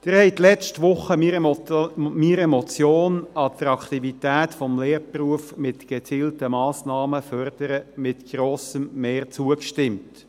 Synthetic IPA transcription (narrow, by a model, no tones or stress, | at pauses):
d̪̥ɪɾhɛɪt̪lɛt͡ʃtʋʊχːəm | miːɾemɔt͡sjoːnɑt̪ɾɑkt̪ivit̪æːtfɔmleːɾpruəfmɪtɡ̥et͡siːltəmɑːsnɑːməfœrd̪̥əɾəmɪt̪ɡ̥ɾoːsəmːeːrt͡suəkʃtɪmt